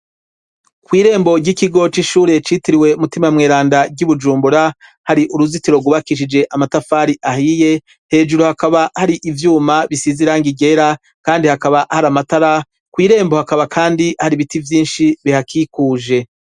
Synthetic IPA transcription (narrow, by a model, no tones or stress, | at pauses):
kwiːɾe̞ːmbo̞ɟikiɡo̞t͡ʃiʃuːɾe̞t͡ʃitiɾiwe̞umutimamŋeːɾaːndaɟuβud͡ʒuːmbuɾahaɾiʔuɾuzitiɾo̞ɡwuβakiʃ̬id͡ʒe̞ʔamatafaːɾiʔahije̞ | he̞ːʒuɾohakaβahaɾiʔivjuːmaβisiziɾaŋɡiɡe̞ɾa | kaːndihakaβahaɾamataɾa | kwiːɾe̞ːmbo̞hakaβakʰaːndihaɾiβitivjiːnʃiβihakʰiːkuːʒe̞